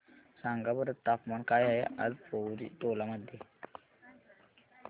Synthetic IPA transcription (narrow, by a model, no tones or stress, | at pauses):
sãŋɡabəɾət̪ːapmankajaeʔa̰ɾpowɾḭʈolaməd̪ʱje